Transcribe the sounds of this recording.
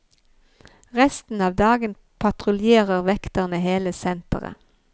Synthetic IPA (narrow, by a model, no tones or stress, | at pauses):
ʁɛst̪n̩ɑːʋd̪ɑːɡən | pʰɑt̪ʁʊljeːʁəʁʋɛkt̪əʁnəheːləsɛnt̪ə̰ʁə̰